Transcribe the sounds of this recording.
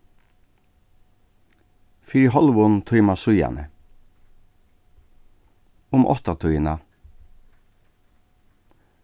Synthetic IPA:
fiːɾiɦɔlʋʊnt̪ʰœjmasʊja̰nə̰ | ʊmʔɔ̰ht̪at̪ʰujna

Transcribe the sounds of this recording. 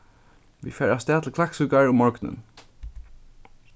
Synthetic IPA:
ʋḭfɛːɹast̪æːt̪ʰl̩kʰlaksʉːkaɹʊmːɔɹknʊ̰n

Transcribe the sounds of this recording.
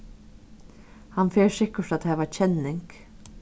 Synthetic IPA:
hɑnfeːɾsɪkəʈɑt̪hɛːʋæc͡çʰɛnɪŋɡ̥

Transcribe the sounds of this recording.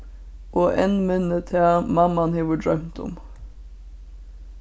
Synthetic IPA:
ʔoːʔenmœnət̪ʰæːmɑmɑnheːʋəɖɹœmt̪ʰʊ̰m

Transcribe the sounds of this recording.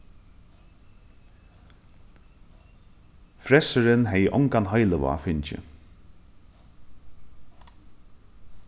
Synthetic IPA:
fɾɛsəɾɪnɦɛjəʔɔŋkanɦajləʋa̰fɪɲt͡ʃɪ̰

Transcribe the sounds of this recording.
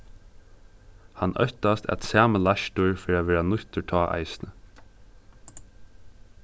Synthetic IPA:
hanʔœ̰ht̪ast̪ɛ̰t̪sæːməlaʃt̪ʊɹfɪɾaʋɛːɾanʊht̪ətʰɔːʔa̰ɪsnə

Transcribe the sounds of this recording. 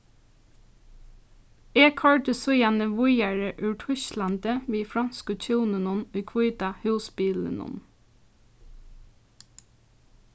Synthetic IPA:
eːkʰɑɹʈəsɔjænəʋʊjæɹəʔʉːʈʰʏʃlɑnt̪əʋiːfɹɑnskɔt͡ʃʰʉːnənʊnʉːkʰʋɔʏt̪ɑhʉːsbiːlə̰nɔ̰n

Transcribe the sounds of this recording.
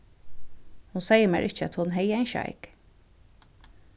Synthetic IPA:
hʊnsɛjəmɛ̰ɹʔɪ̰çəæ̰t̪hʊnɦɛjæɪnʃɑ̰ɪk

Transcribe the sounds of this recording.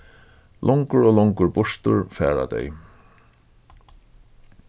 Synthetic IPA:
lʔɔŋkʊɹoːlɔŋkʊɹbʊʂt̪ʊ̰ɹfɛːɾa̰d̪ɛ̰j

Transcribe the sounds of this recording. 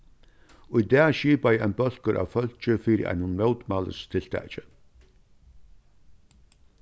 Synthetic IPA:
ʊjd̪ɛːʃiːpajɛnbœl̥kəɾʔa̰ːʋfœl̥t͡ʃəfiːɾḭʔæ̰jnʊnmœwt̪malə̰st̪ʰɪl̥t̪ʰæ̰ːt͡ʃə

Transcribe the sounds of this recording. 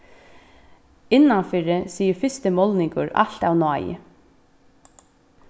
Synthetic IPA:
ɪnːanfɪɾɪsiːəfɪst̪əmɔlnɪŋkʊɹa̰l̥t̪awnɔːj̰

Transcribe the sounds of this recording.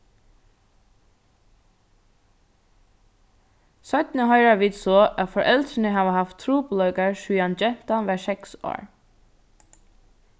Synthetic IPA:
sœt̪n̩əhœʏɹɑʋiːd̪soːʔɑfɔɹʔɛlt̪ɾənəhɑːʋəhɑft̪ʰɾuːblœɡəɹʃʉːɑnd͡ʒɛt̪ɑnʋæːsɛkso̰ːɹ

